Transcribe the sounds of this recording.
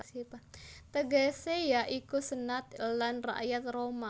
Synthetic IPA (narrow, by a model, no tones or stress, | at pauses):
sipat̪əɡɛsejaʔikusənat̪̚lanra̰ʔjat̪̚roma